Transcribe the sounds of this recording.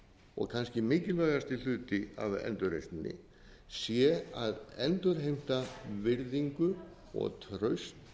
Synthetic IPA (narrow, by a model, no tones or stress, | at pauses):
ɔ̰ɣkʰanscɪmɪːcɪlvœːɣast̪il̥ʏːt̪ɪa̰vɛ̰nt̪ʏɾḛjst̪ɪnːɪ̰ | sjɛaðɛnt̪ʏɾɦejm̥t̪avɪɾðiŋkʏ | ɔ̰ɣt̪ʰɾœɥst̪